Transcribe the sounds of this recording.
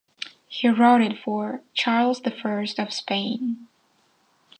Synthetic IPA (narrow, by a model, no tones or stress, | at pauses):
hiɹɔɾɨdfə˞t͡ʃʰɑɹlˠzðɨfɜ˞stʌv̥spẽɪ̃n